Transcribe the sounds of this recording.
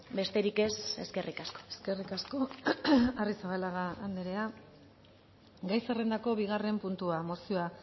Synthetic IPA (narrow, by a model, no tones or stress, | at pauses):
be̞st̪e̞ɾike̞se̞̰ske̞rʔikasko̥eske̞rikasko̞ | arisaβalaɣaːnd̪eɾe̞a | ɡajsere̞nd̪ako̞βiɣare̞mpunt̪uamosioa